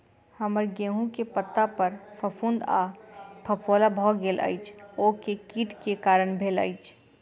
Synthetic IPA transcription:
həməɾɡeːɦũkepət̪ːapəɾpʰəpʰũnd̪apʰəpʰolabʱɔɡeːlʔa̰ːjt͡ʃʰokekiːʈkekaːɾəɳbʱeːla̰ɪt͡ʃʰ

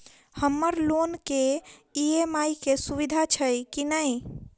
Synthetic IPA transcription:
həmːəɾlonkeiemaikesuβid̪ʱat͡ʃʰəjkinəj

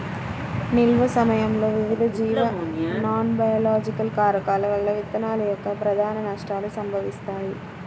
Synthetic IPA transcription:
nɪlʋɐsɐmɐjɐmlɐʋɪʋɪðɐd͡ʒiːʋɐnaːnbɐjɐlaːd͡ʒɪkːɐlkaːɾɐkaːlɐʋɐɭːɐʋɪt̪ːɐnaːlɪjɐkːɐpɪɾɐd̪ʱaːnɐnaʂʈɾaːlɐsɐmbɐʋɪst̪aːj

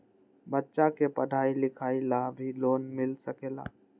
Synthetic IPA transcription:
bətːt͡ʃaːkeːpəɖʱaːilɪkʰaːilaːbʱiːloːnmɪlsəkeːla̰ː

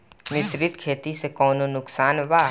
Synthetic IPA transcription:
nɪʃɾɪt̪kʰeːt̪isekɔːnonʊksaːnʋa

